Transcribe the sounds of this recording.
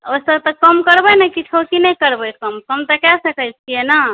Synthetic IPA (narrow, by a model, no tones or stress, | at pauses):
osəɾt̪ɔkəmkəɾbəjnəkit͡ʃʰokinəjkəɾbəjkəmkəmt̪əkɛsəkəjt͡ʃʰijenə